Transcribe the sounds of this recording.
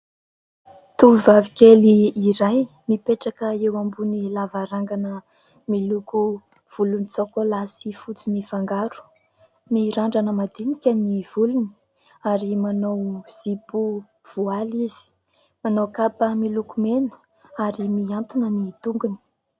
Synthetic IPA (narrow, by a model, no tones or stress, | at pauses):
t̪uivavikʲeliːɾaj | mipeʈ͡ʂakəewambunilavaɾaŋɡanə | miluku | v̥ulunit͡sokolasifut͡simifaŋɡaɾu̥ | miɾaɳɖ͡ʐanəmad̪inikʲəniv̥uluni̥ | aɾimanowz̥ipu | v̥ualiz̥i̥ | manowkapəmilukumenə̥ | aɾimiant̪unənit̪uŋɡuni̥